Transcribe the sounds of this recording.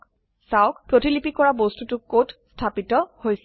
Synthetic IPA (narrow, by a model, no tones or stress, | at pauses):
sawkpɹotilipikɔɹabostutʊkotstʰapitɔhojsɛ